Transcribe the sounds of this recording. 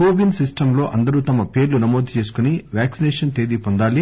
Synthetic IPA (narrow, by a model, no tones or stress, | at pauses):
oːbinsisʈɐmlo̞ːʔɐnd̪ɐɾut̪ɐmɐpe̞ːɾlunɐmoːd̪ʱt͡ʃe̞ːs̬u̥kuniʋjaːksineːʂɐnt̪eːd̪iːpond̪aːli